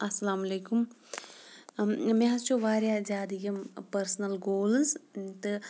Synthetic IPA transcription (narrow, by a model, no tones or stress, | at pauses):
ɐsːɐlaːmɐleːkʊm | mẽast͡ʃoʋaːɾjad͡ʒaːd̪iɡɐmpɐɾsnɐlɡoːlzt̪ɨ